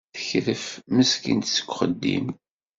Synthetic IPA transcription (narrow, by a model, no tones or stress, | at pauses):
θəçɾəfməskḭnt̪sə̥kʷːχəd̪ːḭm